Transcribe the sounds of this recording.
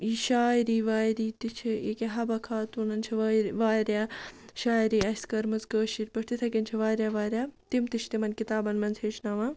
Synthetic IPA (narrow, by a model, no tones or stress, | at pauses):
iːʃaːjɾiːʋaːjɾiːt̪it͡ʃʰiekeɦɐbɐkʰaːt̪uːnɐnt͡ʃʰiʋʋaːɾʲjaːʃaːjɾiːɐskɐɾmɐzɡəːʃiɾʲpɐʈʰt̪it̪ʰɐkinʲt͡ʃʰɐʋaːɾjaːʋaːɾʲjaːt̪imt̪it͡ʃʰt̪imɐnʲkit̪aːbɐnmɐnzʰeːʃnɐʋãː